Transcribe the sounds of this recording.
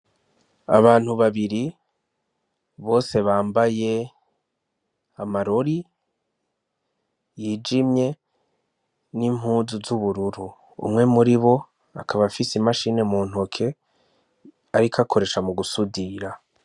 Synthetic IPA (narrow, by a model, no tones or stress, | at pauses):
a̰βaːn̥huβaβiɾi | βo̞ːse̞βaːmbaje̞ | amaɾo̞ɾi | jiːd͡ʒimɲe̞ | nim̥ɦuːzuzuβuɾuɾu | ṵmŋe̞muɾiβo̞ | a̰kʰaβafisimaʃiːne̞muːn̥hokʰe̞ | aɾikʰakʰo̞ɾe̞ːʃamuɡusudiɾa